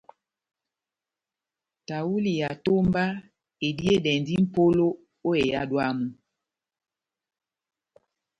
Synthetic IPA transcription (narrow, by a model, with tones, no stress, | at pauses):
ta˨wu˦li˨ja˨to˦mba˦ | e˨di˦e˦dɛ˨ndi˦m̩˨po˦lo˦ | o˦e˨ja˦dwa˦mu˨